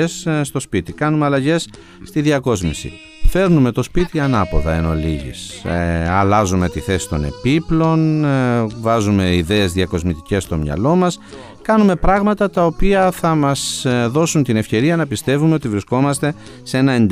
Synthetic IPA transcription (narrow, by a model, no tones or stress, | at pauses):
esst̪o̞spit̪ikɐnumeɐlɐʝe̞sː | t̪iðiɐko̞zmisḭ | fe̞ɾnume̞t̪o̞spit̪iɐnɐpo̞̰ðɐeno̞liʝḭs | ɐlɐzume̞t̪iθe̞si̥t̪o̞̰ne̞̰piplo̞n | vɐzume̞iðe̞ːzðiɐko̞zmit̪ice̞st̪o̞mɲɐ̰lo̞mɐs | kɐnume̞pɾɐɣmɐt̪ɐt̪ɐo̞piɐθɐmɐsðo̞sunt̪ine̞fçe̞ɾiɐnɐpist̪e̞vumeo̞t̪ivɾisko̞mɐst̪e̞ | se̞nɐe̞nd̪